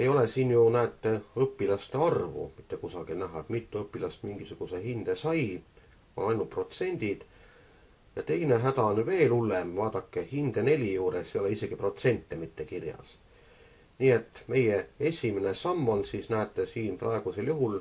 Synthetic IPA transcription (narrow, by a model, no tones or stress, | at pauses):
e̞jo̞lesiːnjunæːt̪ːe̞ɤpːilɑst̪eɑrvṵmit̪ːe̞kusɑɡ̥ilnæɦɑet̪mit̪ˑːuɤpːˑilɑst̪miŋɡ̥isuɡ̥usehind̪̥esɑj | o̰ɑjnulpro̞t̪se̞nʲd̪̥id̪̥ | jɑt̪e̞jne̞ɦæd̪ɑnyve̞ːlulːemvɑːd̪̥ɑkːehind̪̥e̞ne̞lʲijuːɾesejo̞leise̞ɡ̥ipro̞t̪se̞nʲt̪ːemit̪ːe̞kirjɑ̰s | niːe̞t̪ːˑme̞je̞e̞sʲimenesɑmːonsiːsnæːt̪ːesiːnprɑe̞ɡ̥use̞ljuɦul